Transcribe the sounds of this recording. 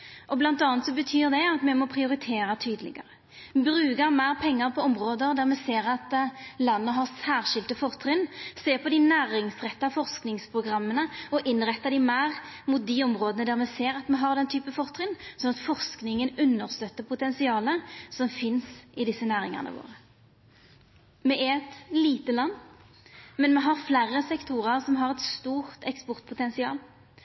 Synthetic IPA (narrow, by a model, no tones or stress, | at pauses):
ʔɔblɑnt̪ɑːnt̪sɔbət̪ʰyːʁd̪ɛɑt̪mɛmɔpʰʁɪʊɾɪt̪ʰeːɾɑt̪ʰyːd̪əlɪ̰ɡə̰ɾə | bɾʉːɡəɾmæːʁpʰɛŋːəɾpʰɔɔmʁoːd̪əɾd̪æʁmɛseːɾɑt̪lɑnːəɦɑʁsæːʁʃɪlt̪əfɔʁt̪ʰɾɪnseːʁpʰɔd̪ɪnæːɾɪŋsʁɛt̪ːɑfɔʁsknɪŋspʰɾʊɡʁɑmːənəɔʔɪnʁɛt̪ːɑd̪ɪmæːʁmʊt̪̚d̪iɔmʁoːd̪ənəd̪æːʁmɛseːʁɑt̪mɛɦɑʁd̪ɛnt̪ʰyːpəfɔʁt̪ʰʁɪnsɔnɑt̪fɔʁsknɪŋənʉnːəʁst̪œt̪ːəʁpʰʊt̪ɛnsɪɑːləsɔmfɪnsɪd̪ɪsːənæːɾɪ̰ŋə̰ʁnə̰ʋo̰ːʁə | mɛʔɛɛt̪liːt̪əlɑnː | mɛnmɛɦɑʁflæːʁəsɛkt̪ʰuːʁəʁsɔmɦɑʁɛt̪st̪uːʁt̪ɛkspɔʁt̪̚pʰʊt̪ɛnsɪɑ̰ːl